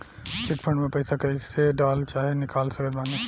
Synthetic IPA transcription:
t͡ʃɪʈ̚pʰə̃ɳɖmẽpɐɪsakɐiseɖaːlt͡ʃaːɦenɪkaːlsɐɡəlmaːne

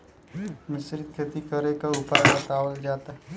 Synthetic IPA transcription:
mɪsɾɪt̪̚kʰet̪ikəɾekaupaɾbɐt̪aːwəld͡ʒaːt̪aɦ

